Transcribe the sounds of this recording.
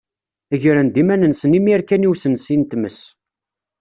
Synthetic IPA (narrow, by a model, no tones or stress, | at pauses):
əʝɾənd̪imænənsənimiɾkæniwsənsint̪məs